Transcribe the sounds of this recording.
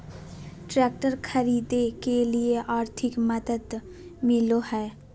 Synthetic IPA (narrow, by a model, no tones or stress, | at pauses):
ʈɾɛːk̚ʈəɾkʰɐɾiːd̪ekelieʔaːɾt̪ʰɪkmɐd̪əd̪ | mɪlohɛː